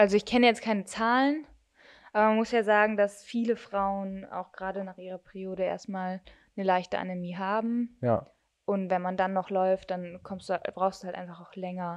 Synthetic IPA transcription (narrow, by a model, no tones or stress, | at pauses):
ʔalzoɪçkʰɛnəjɛt͡stkʰaɪnət͡saːlən | ʔaːbɐmanmʊsjaːzaːɡŋ̩dasfiːləfʁ̥aʊəna̰ʊxɡ̥ʁaːdənaːχʔiːʁɐpʰɛʁioːɾəḛːɐstmaːl | nəlaɪçtə̰ʔa̰nɛmiːɦaːbm̩ | ʔʊntvɛnmandanːɔχlɔʏft̚d̥ankʰɔmstd̥ub̥ʁaʊxstd̥uhaltʔa̰ɪnfaχaʊxlɛŋɐ